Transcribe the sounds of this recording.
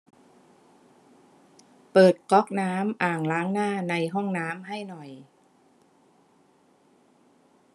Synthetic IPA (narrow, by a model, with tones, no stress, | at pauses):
pɤː˨˩t̪̚kɔ˦˥k̚naː˦˥mʔaː˨˩ŋlaː˦˥ŋnaː˥˩na˧jɦɔ˥˩ŋnaː˦˥mɦa˥˩jnɔ˨˩j